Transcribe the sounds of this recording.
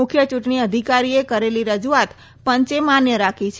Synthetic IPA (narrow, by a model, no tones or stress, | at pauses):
ʊkʰjət͡ʃuʈɳ̃iəd̪ʱikaɾiekəɾeliɾəd͡ʒuat̪ | pəɲt͡ʃemanjəɾakʰit͡ʃʰ